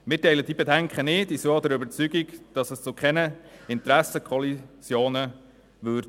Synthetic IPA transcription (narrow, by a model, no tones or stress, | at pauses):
mɪːtɛɪləd̥ibɛdæŋkχənɪːtisood̪əɾøbəɾt͡syɡiɡd̥ɑsəst͡sokʰχɛnəɪntɾæsəkχɔlisjoːnə | ʋøɾd